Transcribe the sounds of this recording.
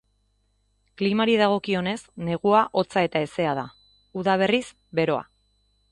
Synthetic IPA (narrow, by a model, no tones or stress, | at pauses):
klimaɾiðaɣ̞o̞kio̞ne̞sne̞ɣ̞uaʔo̞t͡sae̞t̪ae̞se̞að̞a | uðaβ̞e̞ris | be̞ɾo̞a̰